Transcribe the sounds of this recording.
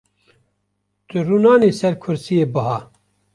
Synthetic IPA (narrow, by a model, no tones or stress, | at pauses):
t̪ɨruːnɑːneːsɛɾkʰʊɾsijeːbɨɦɑː